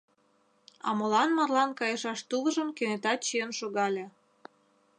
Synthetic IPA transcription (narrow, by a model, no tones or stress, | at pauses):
ɑ̰molɑnmɑrlɑnkɑjɤʃɑʃt̪ulə̆ʒə̆mkenet̪ɑt̪̚t͡ɕijənʃoɣɑlʲe